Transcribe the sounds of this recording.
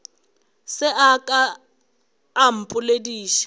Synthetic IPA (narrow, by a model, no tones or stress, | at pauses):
sɪʔakʼa | m̩pʼʊlediːʃḁ